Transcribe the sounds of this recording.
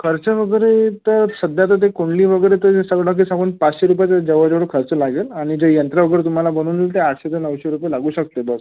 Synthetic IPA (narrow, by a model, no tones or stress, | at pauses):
kʰəɾt͡ɕəʋəɡəɾet̪əɾsəd̪jat̪ət̪̬ekoɳliːʋəɡəɾet̪əd͡ʑesəɡɭãk̬isãŋɡuːnpat͡sɕeɾup̬at͡ɕad͡ʑəʋəd͡ʑəʋɽəkʰəɾt͡səlaɡelaɽ̃id͡ʑejənt̪ɾaʋəɡəɾet̪um̤alabəñuːnt̪eaʈɕet̪ənəʋɕeɾupjelaɡuːɕək̚t̪ebəs